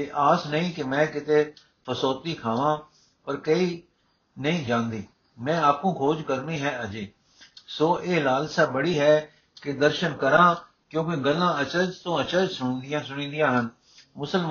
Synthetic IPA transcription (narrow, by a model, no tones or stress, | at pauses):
eːʔaːsnəĩːkɪmɛ̃ːkɪt̪eː | pʰəsoːt̪iːkʰaːʋãː | pəɾkəiː | nəĩːd͡ʒãːnd̪iː | mɛ̃ːaːp̚kũːkʰoːd͡ʒkəɾnĩːɦɛːəd͡ʒeː | soːʔeːlaːlsaːbəɽiːɦɛː | kɪd̪əɾʃənkəɾãː | kjõːkeɡəlːãːət͡ʃəɾd͡ʒt̪õːət͡ʃəɾd͡ʒsʊɳ̃d̪ɪjãːsʊɽ̃ĩːd̪ijãːɦən | mʊsəlm